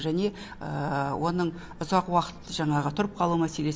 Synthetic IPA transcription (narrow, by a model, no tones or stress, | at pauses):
ʒæne̞ | əwʔo̞nəɴ | ʊzɑqwɑqə̥t̪ːəʒɑɴɑʁət̪ʰʊɾəp̚qʰɑlˠumæse̞le̞s